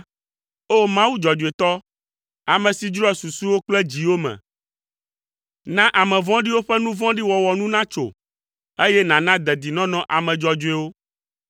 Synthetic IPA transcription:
o˦mã˦wu˦d͡ʒɔ˨d͡ʒu˨e˨t̪ɔ˦ | a˨mɛ̃˨si˨d͡ʒɾɔ˦ɛ˨su˨su˦wo˦k͡plɛ˦d͡ʑi˨wo˦mɛ̰̃˨ | nã˦ʔa˨mɛ̃˨vɔ̃˦ɖi˦wo˦ɸɛ˦nũ˦vɔ̃˦ɖi˦wɔ˨wɔ˨nũ˦nã˦t͡ʃo̰˨ | e˦jɛ˦nã˨nã˦d̪ɛ˨d̪i˨nɔ̃˦nɔ̃˨ʔa˨mɛ̃˨d͡ʒɔ˨d͡ʒu˨e˨˦wo˦

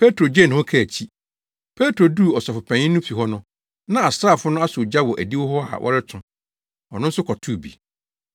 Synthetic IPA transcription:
pʰe˦tʰɾo˨d͡ʑɛ˦˨nʊ̃˨ɔ˦kʰɛ˨t͡ɕʰi˦ | pʰe˦tʰɾo˨duː˦˨ɔ˨sɔ˨fʊ˨pʰæ̃˨ɲɪ̃˦nʊ̃˦fi˨ɦɔ˦nʊ̃˦ | nã˦a˨sɾa˦˨fʊ˦nʊ̃˦a˦sʊ˨d͡ʑa˦wɔ˨ʔæ˨di˦wɔ˦ɦɔ˦a̰˨wʔɔ̰˦ɾɪ˦tʰʊ̃˨ | ɔ˨nʊ̃˦n̩˦sʊ˦kʰɔ˨tʰu˦˨bḭ˨

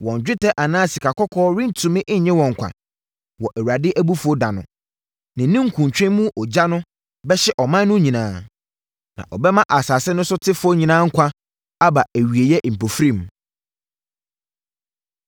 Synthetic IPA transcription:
wɔ̃˨ɲ˨d͡ʑᶣɪ˦tʰɛ˦ʔa˨nãː˦si˨kʰa˨kʰɔ˦kʰɔː˦ɾɪ̃˦n˦tʰũ˨mɪ̃˦ʔɲ̩˨ɲɛ̃˦wɔ̃˨ŋ˨kʷʰa̰˨ | wɔ˨ʔæ˨wa˨dɪ˦ʔæ˦bu˦fʊ˦ɔ˦da˨nʊ̃˨ | nɪ̃˨nĩ˦ŋ̩˨kʰũ˨ɲ˨t͡ɕᶣɛ̃˦mũ˦ʔɔ˨d͡ʑa˦nʊ̃˦ | bɛ˦ɕɛ˦ʔɔ˨mã˦nː˦ʊ̃˦ɲĩ˨nãː˨˦ | nã̰˨ʔɔ˨bɛ˦mã˦ʔa˨saː˨sɛ˦nʊ̃˦sʊ˦tʰɪ˦fʊ˦ɔ˦ɲĩ˨nãː˦ŋ̩˦kʷʰa˦ | a˦ba˨æ˨ɥi˨e˨jɛ˦ʔm̩˨pʰo˨fɾĩ˦˨m

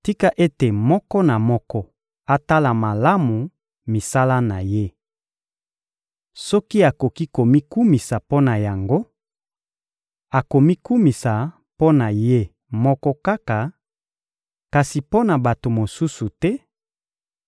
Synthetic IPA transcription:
ti˦ka˨ʔe˦te˨mɔ˦kɔ˦na˨mɔ˦kɔ˦ | a˨ta˦la˨ma˨la˦mu˨ | mi˨sa˦la˦na˨je˦ | sɔ˦ki˦a˨ko˨ki˦ko˨mi˦ku˦mi˨sa˨po˦na˨ja˨ŋɡo˦ | a˨ko˨mi˦ku˦mi˨sa˨ | po˦na˨je˦ | mɔ˦kɔ˦ka˦ka˨ | ka˨si˨po˦na˨ba˨to˨mo˨su˦su˨tɛ˦

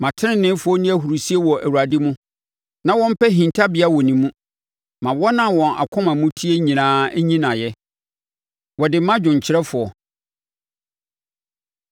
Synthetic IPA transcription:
mã˨tʰɪ˦nɪ̃˦nɪ̃˦fʊ˨˦ɔ˦nĩ˦æ˨ɦu˨ɾu˨si˦e˦wɔ˨ʔæ˨wu˨ɾa˨dɪ˦mũ˦ | nã˦wɔ̃˦m̩˦pʰɛ˦ɦĩ˨ntʰa˦bɪ˨a˦wɔ˨nĩ˨mũ˦ | mã˨wɔ˦nã˨wɔ̃˨nʔa̰˨kʰʊ̃˦mã˨mũ˦tʰi˦e˦ɲĩ˨nãː˦ɲĩ˦nã˨jɛ˦ | wɔ˨dɪ˨˦mã˦d͡ʑᶣʊ̃˨ɲ˨t͡ɕʰɪ˦ɾɛ˦fʊ˨ɔ˨

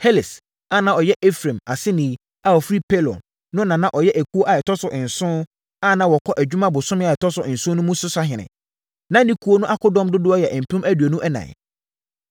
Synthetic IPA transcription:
he˦lɪ˨s | a˦˨nã˨ɔ˨jɛ˦ʔe˦fɾẽ˨ma˨sɪ˦nĩ˨˦ | a˨ɔ˨fɾi˦pʰe˦lɔ̰˨n | nʊ̃˦nã˨nã˦ʔɔ˨jɛ˦ʔæ˨kʰu˦o˦ʔa˨ɛ˨tʰɔ˦sʊ˨ʔɪ̃˨n̩˨sʊ̃˦ | a˦nã˦wɔ˨kʰɔ˦ʔæ˨d͡ʑᶣu˦mã˦bʊ˨sʊ̃˦mɪ̃˦a˨ɛ˨tʰɔ˦sʊ˨ɪ˨n̩˨sʊ̃˦nʊ̃˦mũ˦sʊ˦sa˦ɦɪ̃˨nɪ̰̃˨ | nã˦nĩ˦kʰu˦o˦nʊ̃˦ʔa˦kʰʊ˦dɔ̃˦mdʊ˦dʊ˦ɔ˦jɛ˨ʔm̩˨pʰʊ̃˦mæ˦du˨o˨nũ˦ʔɛ˦nã̰˨

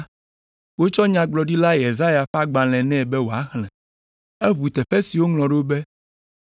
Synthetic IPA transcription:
wo˦t͡ʃɔ˦ɲã˨ɡ͡blɔ˨ɖi˦la˦je˨za˦ja˨ɸa˦ɡ͡ba˨lɛ̃˨nɛ̃˦˨bɛ˦wo˨a˦xlɛ̃˨ | ɛ˦βu˨t̪ɛ˨ɸe˦si˨wo˦ŋlɔ̃˨ɖo˦be˦

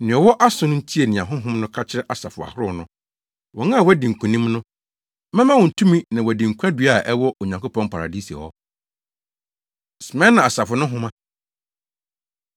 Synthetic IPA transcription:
nɪ̃˨ɔ˨wɔ˦ʔa˦sʊ̃˦nʊ̃˦n̩˦tʰi˦e˨nɪ̃˨ã˨ɦʊ̃˦ɦʊ̃˦mnʊ̃˦kʰa˦t͡ɕʰɪ˦ɾɛ˦ʔa˨sa˨fʊ˨a̰˨hʊ˦ɾʊ˦nʊ̃˦ | wɔ˨ŋã˦˨wɔ˦dĩ˨ŋ̩˨kʷʰũ˨nĩ˦mnʊ̃˦ | mɛ̃˦mã˦wɔ̃˨n̩˨tʰũ˦mĩ˦nã˨wɔ˨dɪ̃˨ŋ̩˨kʰʷu˦ã˦dɥa˨ʔɛ˦wɔ˦ʔo˨ɲã˨ŋko˦pʰɔ̃˦npʰa˨ɾa̰˨di˦si˨ɛ̰˨hɔ˦ | sɪ˨mɛ̃˦nã˨a˨sa˨fʊ˨nʊ̃˦ɦʊ̃˦mã˦

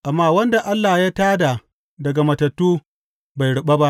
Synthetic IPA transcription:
ʔa˨mːaː˦wɐ˦nda˨ʔa˦lːa˨jaː˦taː˦da˨ | dɐ˨ɡa˨mɐ˨tɐ˨tːuː˦ | ba˨jɽʊ˨ɓa˦ba˦ʔ

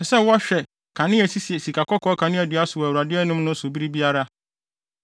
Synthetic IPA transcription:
ɛ˨sɛ˦˨wa˦ɕᶣɛ˨ | kʰa˨nɪ̃˦æ˨si˦si˨ɛ˨si˨kʰa˨kʰɔ˦kʰɔ˦kʰã˨nɪ̃˦ɛ˨dɪ˨˦a˦sʊ˨wæ˨wu˨ɾa˨dɪ˦ɛ˦nʊ̃˦mnʊ̃˦sʊ˨bi˦ɾi˦bi˦a˦ɾa˦

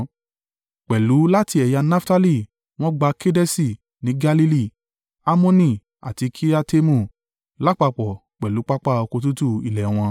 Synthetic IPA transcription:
k͡pɛ˨lu˨˦la˦ti˧ɛ˨ja˧na˦fta˦li˦˨ | w̃ɔ̃˦ɡ͡ba˧ke˦dɛ˦si˧˨ | nĩ˨˦ɡa˧li˦li˦˨ | a˦mɔ̃˦nĩ˧˨ | a̰˨ti˧kʰi˦a˦te˦mũ˦˨ | la˦k͡pa˧k͡pɔ˨ | k͡pɛ˨lu˨˦k͡pa˦k͡pa˦˨o˧ko˧t̬u˦tu˦˨i˨lɛ˨w̃ɔ̃˧

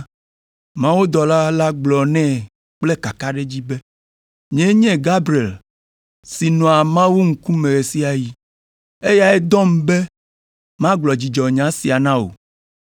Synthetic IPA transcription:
mã˦wo˦d̪ɔ˨la˦la˦ɡ͡blɔ˨nɛ̃˦ | k͡ple˦ka˨ka˦ɖe˦d͡ʑi˦be˦ | ɲ˨ɛ̃˦ɲɛ̃˦ɡa˦bɾi˨e˨l | si˨nɔ̃˨a˨mã˦wu˦ŋ̩˨ku˦mẽ˨ɣe˨si˦a˨ji˦ | e˦ja˨ɛ˦d̪ɔ˦m˦be˦ | mã˦ɡ͡blɔ˨d͡ʑi˨d͡ʒɔ˨ɲã˨˦si˨a˨nã˦o̰˨

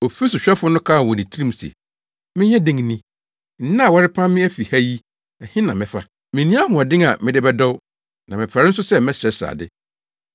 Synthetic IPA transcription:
o˨fi˦so˨ɕᶣɛ˦fʊ˦nʊ̃˦kʰa˦˨wɔ˨nĩ˨tʰi˦ɾĩ˦m˦sḛ˨ | mɪ̃˦ɲɛ̃˦dɪ̃˦ŋ˦nĩ˦ | n̩˦nã˦˨wɔ˦ɾɪ˦pʰã˦mːɪ̃˦æ˦fi˨hæ˦ji˦ | ɛ˨hɪ̃˦nã˨mɪ̃˨fa˦ | mɪ̃˨nĩ˦a˦ɦʊ̃˨ɔ˨dɪ̃˦ŋa˨mɪ̃˦dɪ˦bɛ˦dɔ˦w | nã˨mɪ̃˨pʰɾa˨ɾɪ˦n̩˦sʊ˦sɛ˦mɛ̃˦sɛ˨˦sa̰ː˨dɪ̰˦

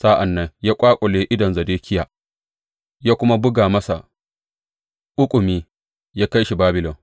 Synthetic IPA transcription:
saː˦ʔa˨nːa˦ɲjaː˦kʷʼaː˦kʷʼɔ˨leː˦ʔɪ˦dɔ˨nzɐ˨deː˦kʲɪ˦jaː˨ | jaː˦kʷʊ˦ma˦bʊ˦ɡaː˨mɐ˦sa̰˨ | ʔʊ˦kʷʼʊ˨miː˦ | jaː˦ka˦jʃi˨baː˦bɪ˨lɔ˨m

